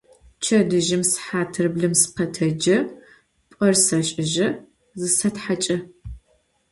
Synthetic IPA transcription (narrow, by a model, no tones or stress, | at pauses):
t͡ʃʰɐdɨʒɪmsħaːtʰɨrɨbɮɨmsɨ̥qɐtʰɐd͡ʒɐ | pʷʼɐrsɐɕʼɪʒɐ | zɨsɐtħat͡ʃʼɐ